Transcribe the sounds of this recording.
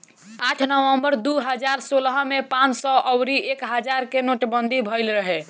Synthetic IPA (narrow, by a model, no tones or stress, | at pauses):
aʈʰnəwəmbəɾd̪uɦəd͡ʒaɾsolɦmepãt͡ʃsɔʔəwɾiʔekɦəd͡ʒaɾkenoʈbənd̪ʱibʱəɪlɾəɦɛ